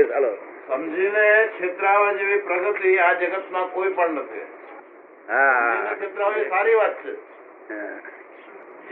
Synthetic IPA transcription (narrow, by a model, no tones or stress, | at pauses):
ɦəlosəmd͡ʒʱinekʃʰet̪ɾəaʋad͡ʒeʋipɾəɡət̪iad͡ʒəɡət̪mãkoipəɳnət̪ʰḭ | ainakʰet̪ɾəaʋisaɾiʋat̪̚t͡ʃʰḛ